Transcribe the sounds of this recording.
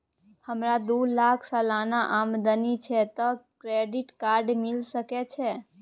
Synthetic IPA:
həmɾad̪ulakʰsəlanaʔamd̪ənit͡ʃʰɛt̪ɔkɾeɖiʈkaɾɖmilsəkɛt͡ʃʰɛ

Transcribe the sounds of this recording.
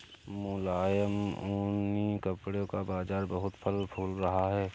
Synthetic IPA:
mʊlaːjəmunikəpɽjõkabaːzaːɾbɐɦʊt̪pʰəlpʰuːlɾɐɦaɦɛː

